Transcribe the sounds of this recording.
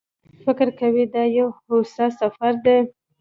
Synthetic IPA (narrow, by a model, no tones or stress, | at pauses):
fɪkɾkawid̪ɑjawhosɑsafaɾd̪e